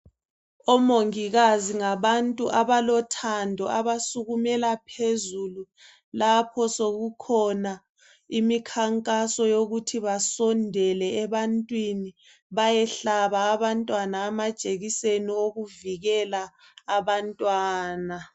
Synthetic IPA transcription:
ɔmoŋiɣaziŋaβantʼuʔaβalɔtʰandʱɔʔaβasuɣumɛlapʰezulu | lapʰɔsoɣukʰɔna | imikʰaŋkʼasɔjoɣutʰiβasɔndʱɛlɛːβantʼwini | βajɛɬaβaːβantʼwanaːmad̥ʒ̥ʱeɣisenioɣuviɣɛlaː | βantʼwaːna

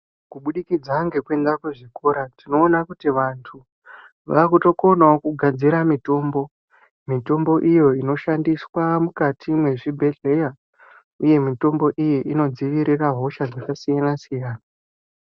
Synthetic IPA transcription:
kuɓuɗikid͡zaŋɡe̞kue̞ndakeʐiko̞ɾatino̞ːnakutiʋantʰu | ʋakuto̞ko̞naokuɡʱad͡ziɾamito̞ːmbo̞ | mito̞mbo̞ʔijo̞ino̞ʃandiswamukatimwe̞ʐibʱe̞ɮe̞ja | uje̞mito̞mbo̞ʔijiʔino̞d͡ziʋiɾiraɦo̞ʃad͡zakasijanasijaːna

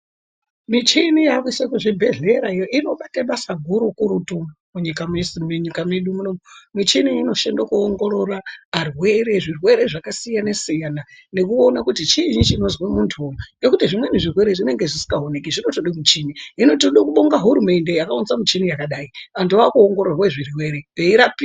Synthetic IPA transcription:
mit͡ʃinijakisakuʐibʱe̞ɮe̞ɾaijoʔino̞ɓataɓasaɡʱuɾukuɾutu | muɲikamesimuɲikameɗumunomomit͡ʃiniːno̞ʃendokuoŋɡo̞ɾo̞raːrwe̞ɾe̞ʐirwe̞ɾe̞ʐakasijanesijanane̞kuo̞nakutit͡ʃiɲit͡ʃino̞zwemuntʰuumɡekutiʐimwe̞niʐirwe̞ɾeʐine̞ŋɡe̞ʐisi̥ŋɡaɦonekiʐino̞toɗimit͡ʃiniːno̞toɗikuɓoŋɡaɦuɾume̞nde̞jakaunzamit͡ʃinijakaɗaiantuʋakuoŋɡoɾorweʐirwe̞ɾepeiɾapi

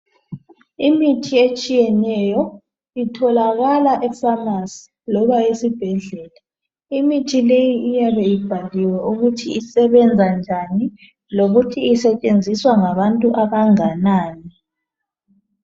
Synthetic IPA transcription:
imitʰiet͡ʃʼijɛnɛjɔ | itʰɔlaɣalaʔɛfamasi̥ | lɔβaesib̥ʱɛɮɛːla | imitʰilejiijaβɛjib̥ʱaliwaʔuɣutʰiisɛβɛnd͡zʱand͡ʒʱani | loɣutʰiisɛt͡ʃʼend͡zʱiswaŋaβantʼuʔaβaŋanaːni

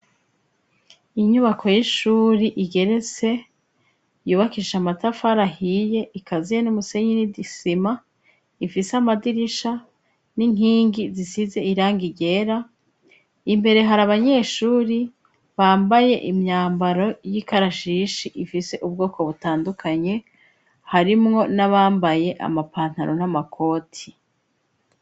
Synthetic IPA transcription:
iɲuβakʰo̞jiʃuːɾiʔiɡe̞ɾe̞t͡se̞ | juːβakiʃamatafaɾahije̞ʔikʰazijenumuse̞ɲinidisima | ifisamadiɾiʃa | niŋ̥iːŋɡizisize̞iɾaːŋɡiɟe̞ːɾa | imbe̞ɾe̞ɦaɾaβaɲe̞ːʃuːɾi | βaːmbaje̞ʔimɲaːmbaɾo̞jikaɾaʃiʃiʔifise̞ʔub̚ɡo̞ːko̞βutaːndukʰaɲe̞ | haɾimŋo̞naβaːmbaje̞ʔa̰mapaːn̥haɾo̞̰namakʰo̞ːtʰi

